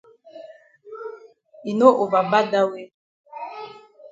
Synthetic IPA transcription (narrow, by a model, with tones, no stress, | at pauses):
i˨no˦ʔo˨va˨ba˦da˦we˦